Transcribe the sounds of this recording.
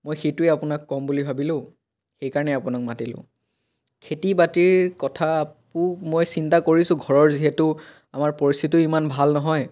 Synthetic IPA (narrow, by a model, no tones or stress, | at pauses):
mojxejtʊeapʊnakːɔmbulibʱabilʊ̃ | xejkaɹɔnɛapʊnak̚matilʊ̰̃ | kʰetibatiɹkɔtʰapʊmojsintakoɹisʊ̃ɡʱɔɹɔɹziɦɛtʊ | amaɹpɔɹist̪ʰitʊimanbʱalnɔɦɔj